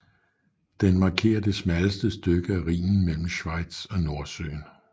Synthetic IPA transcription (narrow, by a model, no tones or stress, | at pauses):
d̥enmɑ̈ːkʰe̝̰ːɐd̥e̝smæləsd̥əsd̥øɡ̥əæʁḭːnn̩mel̰m̩ɕʋɑ̈ɪ̰d̥sɒ̽no̝ɐsø̰ːn